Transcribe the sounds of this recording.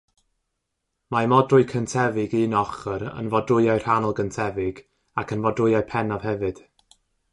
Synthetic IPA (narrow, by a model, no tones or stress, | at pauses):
mamɔdrʊɨkʰəntʰɛvɪɡinɔχəɾə̰nvɔdrʊɨaɨr̥anɔlˠɡəntʰɛvɪɡ | akʰənvɔdʊɨaɨpʰɛnav̥hɛvɨd̥